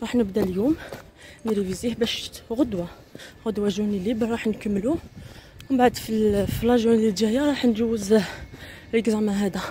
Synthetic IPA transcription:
ɾˤɑħnəbd̪æljum | nɾivizihbæʃt̪ɣod̪wa | ɣʊd̪wæʒunilibɾˤɑħnkəmːlu | wbaʕd̪fifilɑʒjunlid̪jæjaɾˤɑħnʒæwːəz | ləɡzæmæɦæd̪æ

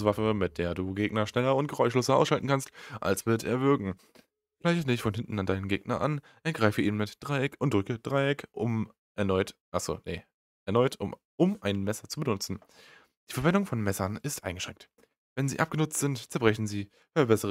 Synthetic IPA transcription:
sv̥afəmɪt̚d̥eːɐduːɡeːɡnɐʃnɛlɐʊnt̚ɡ̥əʁɔʏʃloːsɐʔaʊsʃaltn̩kʰanstʔa̰lsv̥ɪɐteːɐvɪɐɡŋ̩ | ɡ̥laɪçənɪçtfɔnɦɪntn̩andaɪnənɡeːɡ̥nɐʔa̰n | ʔɛɐɡ̥ʁaɪfəiːnənmɪtd̥ʁaɪɛkʰʊntd̥ʁʏkəd̥ʁaɪɛkʰʔʊm | ʔɛɐnɔʏtʔaz̥o̰ːnə | ʔɛɐnɔʏtʰʊ̰ | ʔʊmʔaɪnmɛsɐt͡subənʊt͡sn̩ | d̥iːfɛɐvɛndʊŋfɔnmɛsɐnɪstʔa̰ɪnɡəʃʁ̥ɛŋk̚t | vɛnzḭːʔap̚ɡ̥ənʊt͡stz̥ɪntt͡sɛɐbʁɛçn̩ziː | fɛɐbɛsəʁə

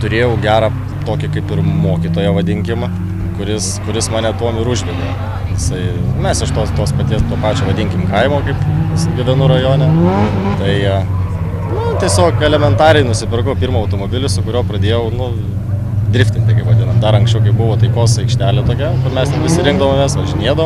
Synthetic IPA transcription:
t̪ʊɾʲeːjɛʊɡʲæːɾɐ | t̪oːkʲɪkɐɪpɪɾmoːkʲit̪oːjɛʋɐd̪ʲɪŋʲkʲɪmɐ | kʊɾʲɪskʊɾʲɪsmɑːnʲɛt̪uɔmɪɾʊʒʲɡʲɛdʲeː | jɪsɐɪmʲɛsɪʃt̪oːst̪oːspɐt̪ʲiɛst̪uɔpɑːt͡ʃʲoːʋɐdʲɪŋʲkʲɪmkɐɪmoːkɐɪpɪsɡʲɪʋʲɛnʊɾɐjoːnʲɛt̪ɐɪɐ | nʊt̪ʲiɛsʲoːkɛlʲɛmʲɛnt̪ɑːɾʲɛɪnʊsʲɪpʲɪrkɐʊpʲiːɾmɐːɐʊt̪oːmoːbʲɪlʲɪsʊkʊɾʲoːpɾɐd̪ʲeːjɛʊnʊ | d̪ʲɾʲɪfʲt̪ʲɪnʲt̪ʲɪkɐɪpʋɐd̪ʲɪnɐmd̪ɐɾɐŋksʲt͡ʃʲɛʊkɐɪp̚bʊʋoːt̪ɐɪkoːsɐɪkʃʲt̪ʲæːlʲɛt̪oːkʲɛkɐmʲɛsnʲɛpʲɪsʲɪɾʲɪŋɡd̪ɐʋomʲɛːsʋɐʒʲɪnʲeɛd̪ɐʋom

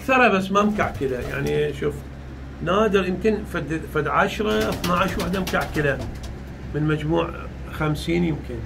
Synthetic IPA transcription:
ʔakθɑɾˤɑbasːmamkaʕkɪlaja̰ʕniʃuːf | naːd̪ɪɾjɪmkɪnfad̪fad̪ʕaʃɾˤɑθnaʕaʃwaħd̪amkaʕkɪla | mɪnmad͡ʒmuːʕ | xamsiːnjɪmkɪn

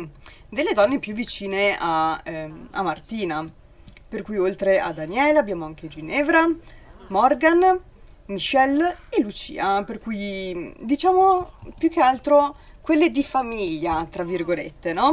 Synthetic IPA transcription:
d̪elːed̪ɔnːepjuvːit͡ʃiːnea | a̰mart̪iːna | perkujolt̪ɾeʔad̪anjɛːleabːjaːmoaŋk̟ed͡ʒinɛːvɾamɔrɡan | miʃɛlelut͡ʃḭːaperkujd̪it͡ʃaːmopjuk̟ːealt̪ɾo | kwelːed̪ifamiʎːat̪ɾavːirɡolḛt̪ːenɔ

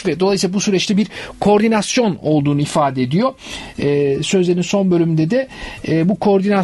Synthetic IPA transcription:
vɛd̪olˠajsilˠabusyɾɛt͡ʃt̪ʰɛbiɾkʰo̞ɾd̪inasjo̞no̞lˠd̪uːnuifaːd̪ɛed̪ijo̞ɛːsø̞zlʲe̞ɾinso̞nbølʲymd̪ɛd̪ɛːbukʰo̞ːɾd̪ina

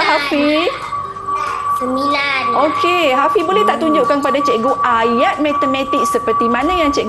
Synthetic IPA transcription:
ɦafi | əmilanokeɦafibolɛht̪aʔt̪uɲd͡ʒoʔkanpadat͡ʃɛʔɡoʔajat̪̚mɛ̃t̪əmɛ̃t̪ik̚səpərt̪imãnãjaŋt͡ʃɛʔɡ

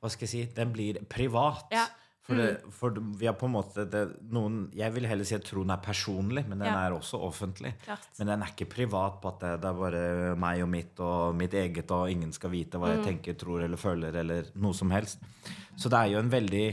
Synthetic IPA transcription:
ʋɑskɑjæsiːd̪ɛnblɪɾpʰɾɪʋɑːt̪ | fɔɖɛfɔʋɪhɑɾpʰɔɛnmoːt̪ʰəd̪ɛnuːənjæɪʋɪlɦɛlːəsiːt̪ʰɾuːd̪ɛnæɾpʰæʂuːnlɪmɛnd̪ɛnæɾɔsːɔʔɔfənt̪ʰlʔɪ̰ | mɛnd̪ɛnæɾɪkːəpʰɾɪʋɑːt̪̚pʰɔɑt̪̚d̪ɛd̪ɛæɾbɑːɾəmæɪɔmɪt̪ɔmɪt̪eːɡət̪ɔɪŋːənskɑlʋiːt̪əʋɑːjæɪt̪ʰɛŋkət̪ʰɾuːɾɛlːəɾføːləɾɛlːəɾnuːəsɔmhɛlst̪ | sɔd̪ɛæɾjʊɛnʋɛld̪ɪ

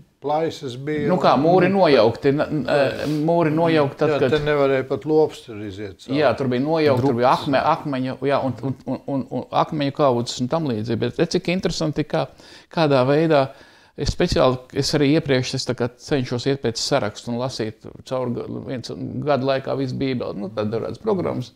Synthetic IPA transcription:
plˠajsəsbinukaːmuːɾinuɔjawkt̪n | muːɾinuɔjawkt̪t̪at̪tkad̪nɛvaɾɛjpat̪lˠuɔpst̪ɾiziɛt̪jaːt̪uɾbijnuɔjawkt̪uɾbijakmɛʔakmɛɲujaːʔununununua̰kmɛɲukawzɪ̥sunt̪amlˠiːd̪ziːbɛt̪t̪et̪sikint̪ɾesant̪ikaːkaːd̪aːʋɛjd̪aː | esspet̪sia̰ːlˠesaɾiːiɛpɾiɛkʃest̪akaːsɛɲʃuɔsiɛt̪̚peːt̪ssaɾa̰kst̪unlˠasiːt̪t̪sawɾɡʋiɛnsɡad̪lˠajka̰ːʋis̬biːbɛ̰lˠnut̪ad̪d̪aʒa̰ːd̪spɾɔɡɾa̰mːs

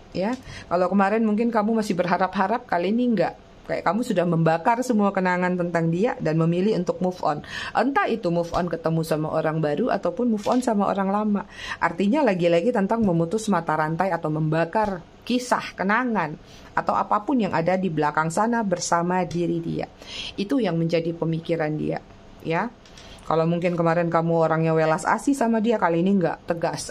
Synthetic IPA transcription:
jakalawkəmaɾɛnmuŋk̬ɪnkamumasɪhbərɦaɾapɦaɾap̚kaliniŋɡaʔ | ka̰ja̰ʔkamusudahməmbakarsəmuakənaŋant̪ənt̪aŋdiadanməmilɪhunt̪ʊk̚mufɔ̰nʔə̰nt̪ait̪umʊfɔ̰nkət̪əmusama̰ʔoɾaŋbaɾuʔa̰t̪awpʊnmʊfɔnsamaʔo̰ɾaŋlamaʔart̪iɲalaɡilaɡit̪ənt̪aŋməmut̪ʊsmat̪aɾant̪ajat̪awməmbakar | kisa̰hkənaŋan | at̪awʔapapʊnjaŋʔadadiblakaŋsanabərsamadiɾidḭa̰it̪ujaŋməɲd͡ʒadipəmikiɾandḭa̰ | ja | kalawmuŋkɪnkəmaɾɛnkamuoɾaŋjawelasa̰sisamadiakaliiniŋɡa̰ʔt̪əɡas

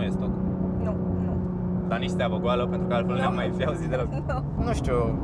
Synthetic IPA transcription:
ujest̪ok̪nu | nu | d̪aniʃt̪eavoɡoaləpent̪ɾukəalkolunjamːajfiauzit̪d̪elok | nuʃt̪ʲju

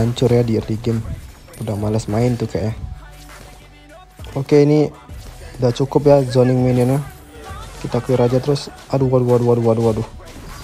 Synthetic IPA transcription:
aɲt͡ʃʊrjadiriɡɪm | udamalasmaɪnt̪ukaja | okeini | dat͡ʃukʊpjazonɪŋminina | kit̪akuiɾad͡ʒat̪əɾʊsʔaduaduaduaduaduadu

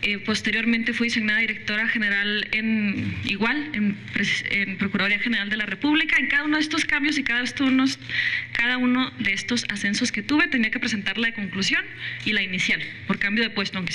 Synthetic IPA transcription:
epo̞st̪e̞ɾjo̞ɾment̪e̞fwiðisiɣnaðaðiɾe̞k̚t̪o̞ɾaxeneɾalenḭɣwalempɾesempɾokuɾaðɾiaxe̞neɾald̪e̞lare̞puβlikaeŋkaðaunoðest̪o̞skambjos̬ikaðast̪onoskaðauno̞ðeest̪o̞sase̞nso̞ske̞t̪uβe̞t̪e̞niake̞pɾe̞s̬e̞nt̪aɾlaðeko̞ŋklusjo̞nilainisjalpo̞ɾkambjo̞ðe̞pwe̞st̪oaŋke

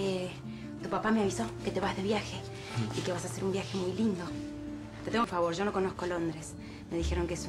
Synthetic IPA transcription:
e | t̪upapameaβiso̞ke̞t̪e̞βazðe̞βjaxe̞ | ikeβasase̞ɾumbjaxe̞mujlind̪o̞ | t̪et̪eŋɡofaβo̞ɾʒo̞no̞ko̞noskolo̞nd̪ɾe̞s | me̞ðixeɾo̞ŋkees

